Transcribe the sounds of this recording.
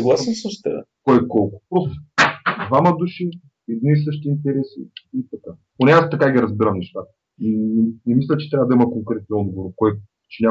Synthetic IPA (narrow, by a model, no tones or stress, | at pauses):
sɐɡlˠasənsəʃt̪ɛ̰kɔjkɔlˠkʊ̥pɾɔst̪d̪vamɐd̪uʃi | ɛd̪nis̬ɤʃt̪iːnt̪ɛɾɛsḭit̪ɐka | ponɛast̪ɐkaɡʲiɾɐzbiɾəmnɛʃt̪at̪ə̥ | inɛmislʲət͡ʃɛt̪ɾʲavəd̪ɐimɐkoŋkɾɛt̪nɔd̪ɡovoɾkɔj | t͡ʃɛnʲa